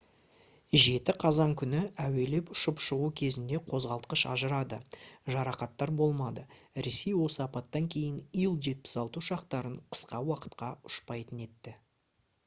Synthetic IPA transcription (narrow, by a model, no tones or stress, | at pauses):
ʒe̞t̪ɪqʰɑzɑŋkʲʰʏnɪæwe̞le̞pʊ̥ʃəpʃəʁukʲʰe̞zɪnd̪e̞qʰo̞zʁɑlˠt̪qəʃɑ̰ʒəɾɑd̪əʒɑɾɑqɑt̪ːɑɾbo̞lˠmɑd̪əɾe̞se̞jwo̞səɑpɑt̪ːɑŋkʲʰe̞jɪnijəlˠʒe̞t̪̚pɪ̥sɑlˠt̪əʃɑqt̪ɑɾəɴqʰə̥sqɑwɑqə̥t̪qɑʊ̥ʃpɑjt̪əne̞t̪ːɪ